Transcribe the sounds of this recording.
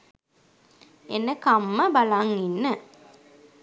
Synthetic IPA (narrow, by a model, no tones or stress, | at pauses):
enːəkamːəbalaŋinːə